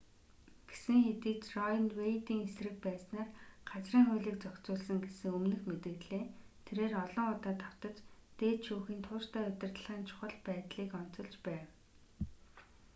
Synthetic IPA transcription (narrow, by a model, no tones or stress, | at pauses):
ɡ̥e̥sɘ̆ŋxet̪iːt͡ɕrɔjnwejt̪iːŋesrɘ̆k̚pæːsnaːrɢ̥at͡sriːŋχʊjɮĭk̚t͡sɔkt͡sʊːɮsə̆ŋɡesɘ̆ŋɵmnɘ̆xmet̪ɘ̆ɣɮeː | t̪ʰeɾeːrɔɮɞ̆ŋʊt̪aːt̪ʰaw̥t̪ə̆t͡ɕt̪eːt̪ʃuːxiːnt̪ʰʊːrt̪æːʊt̪ʲɪ̆rt̪ə̆ɮʁaːnt͡ɕʰʊ̥χə̆ɮpæːt̪ɮiːkɔn̥t͡sɞ̆ɮt͡ɕpæːw